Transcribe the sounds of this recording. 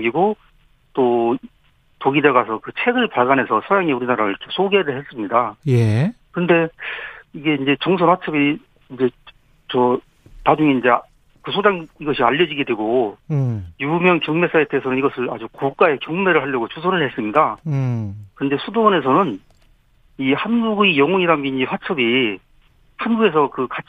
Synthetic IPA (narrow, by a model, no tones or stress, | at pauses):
ɡiɡo | t͈o | toɡideɡasʰʌkɯt͡ɕʰe̞ɡɯɭpaɭɡanɦe̞sʰʌsʰʌjaŋeuɾinaɾaɾɯɭt͡ɕʰosʰoɡe̞ɾɯɭhe̞s͈ɯmɲidajekɯɯnde̞ | iɡe̞ind͡ʑe̞t͡ɕʌŋsʰonat͡ɕʰɯbiː | nd͡ʑe̞ | t͡ɕʌ | nad͡ʑuŋeind͡ʑe̞ | kɯsʰod͡ʑaŋiɡʌɕʰiaʎːʌd͡ʑiɡe̞dwe̞ɡo | jumjʌŋkjʌŋme̞s͈ae̞t͈eɦesʰʌnɯniɡʌsʰɯɭa̰d͡ʑukok͈ae̞kjʌŋme̞ɾɯɭhaʎjʌɡot͡ɕusʰʌnɯɭhe̞s͈ɯmɲida | kɯɾʌnde̞sʰudone̞s̬ʰʌnɯn | ihanɡuɡijʌŋʌɲiɾanɡiɲiɸwat͡ɕʰʌbi | hanɡuɡe̞s̬ʰʌkɯkat͡ɕ